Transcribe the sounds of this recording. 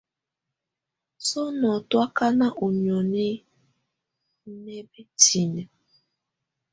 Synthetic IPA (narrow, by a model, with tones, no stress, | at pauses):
so˦nɔ˨twa˦ka˦na˦ʔu˨ɲo˨ne˦ | ne˦be˦tʰi˨ne˨